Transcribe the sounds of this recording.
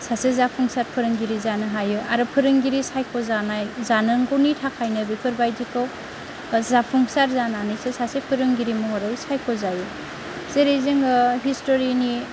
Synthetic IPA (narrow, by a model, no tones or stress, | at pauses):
sasezapʰuŋsaɾpʰɯɾɯŋɡiɾizanɯɦajɯʔaɾɯpʰɯɾɯŋɡiɾisajkʰɔzanajzanɯŋɡɔwnitʰakʰːajnɯbipʰɯɾbajdikow | zapʰɔŋsaɾzananɯjsesasepʰɯɾɯŋɡiɾimɔŋaɾɯwsajkʰɔzaju | zeɾezeŋɯɦistoɾini